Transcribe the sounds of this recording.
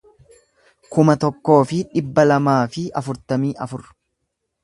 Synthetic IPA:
kʊmɐt̪ɔkːo̞ːfɪᶑɪbːɐlɐmaːfɪɐfʊɾt̪ɐmiːʔɐfʊɾ

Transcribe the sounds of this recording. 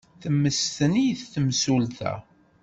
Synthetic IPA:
θəmːəst̪ənijθθəmsult̪æ̰

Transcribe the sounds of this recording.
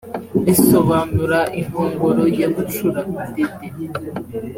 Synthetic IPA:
eso̞βaːnuɾaʔiŋhoːŋɡoɾojaɡuʃuɾakidede

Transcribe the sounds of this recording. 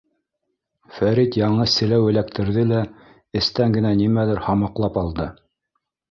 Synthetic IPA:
fæɾit̪jɑɴɤssɘ̆læwɘ̆lækt̪ʰɘ̆ɾðɘlæ | ɘ̆st̪æŋɡɘ̆nænimælɘɾhɑmɑqlˠɑpɑlˠd̪ɤ

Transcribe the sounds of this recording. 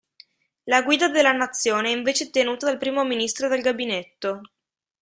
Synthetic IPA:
laɡwiːd̪ad̪elːanat̪sːjoːneɛiɱveːt͡ʃet̪enuːt̪ad̪alpɾiːmominist̪ɾod̪elɡabinet̪ːo

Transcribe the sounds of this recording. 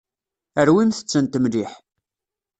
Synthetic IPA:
əɾwimθə̥t͡sːənt̪əmliħ

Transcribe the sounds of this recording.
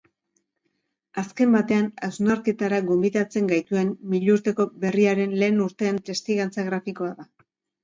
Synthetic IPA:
aske̞mbat̪e̞anawznaɾke̞t̪aɾaɣombiðat͡se̞ŋɡajt̪ue̞mmiʎuɾt̪e̞ko̞be̞riaɾe̞nle̞ːnuɾt̪e̞ːnt̪e̞st̪iɣant͡saɣɾafiko̞aða

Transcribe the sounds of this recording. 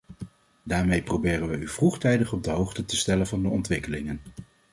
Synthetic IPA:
daːɹmejprowbɪːrənʋəyv̥ruχtɛjdəχɔb̚dəɦowχtətəstɛlənvɑndəɔntʋɪkəlɪŋən

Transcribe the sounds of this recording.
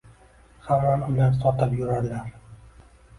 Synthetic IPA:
χaanʊlansɒt̪ɨpjʊɾaɾlaɾ

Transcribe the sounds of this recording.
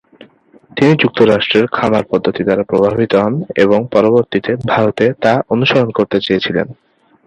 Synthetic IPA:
t̪inid͡ʑuk̚t̪oɾaʃʈɾeɾkʰamaɾpɔd̪ʱːot̪id̪aɾapɾobʱabʱit̪oɦɔneboŋpɔɾoboɾt̪it̪ebʱalot̪et̪aonuʃaɾonkoɾt̪et͡ɕeet͡ɕʰilḛn

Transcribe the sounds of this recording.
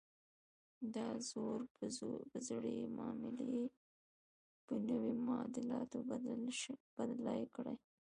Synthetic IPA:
d̪ɑzoɾpəzɽemɑmɪle | pənəwemʊɑd̪ɪlɑt̪ob | b̥ad̪lajkɽa̰j

